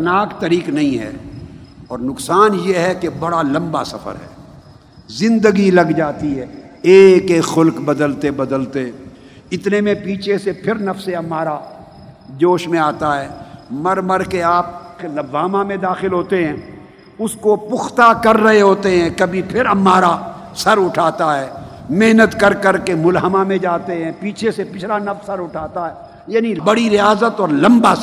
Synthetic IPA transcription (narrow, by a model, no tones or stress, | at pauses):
naːkt̪ɐɾiːknɐɦĩɦɛ̰ː | ɔːɾnʊksaːnjeɦɛkebɐɽalɐ̃mba̰sɐ̰fʰə̰ɾɦɛ̰ː | zɪ̃nd̪əɡilɐɡd͡ʒaːt̪iɦɛː | eːkeːxʊlkbɐd̪əlt̪ebɐd̪əlt̪e | ɪt̪nemẽpiːt͡ʃʰesepʰɪɾnɐfseɐmːaːɾa | d͡ʒoːʃmẽaːt̪aɦɛːmɐɾməɾkeaːp̚klɐbːaːmãmẽd̪aːxɪlɦoːt̪eɦɛ̃ː | ʊskopʊxt̪akɐɾːɐɦeɦoːt̪eɦɛ̃ːkɐbʱipʰɪɾɐmːaːɾa | sɐɾʊʈʰaːt̪aɦɛːmeɦnət̪kɐɾkɐɾkemʊlɦəmãmẽd͡ʒaːt̪eɦɛ̃piːt͡ʃʰesepɪt͡ʃʰlanɐfsɐɾʊʈʰaːt̪aɦɛː | jaːnibɐɽiɾɪjaːzət̪ɔːɾlɐ̃mba